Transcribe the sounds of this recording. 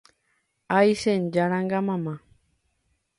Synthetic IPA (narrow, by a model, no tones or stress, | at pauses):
ajsend͡ʒaɾaŋɡamãmã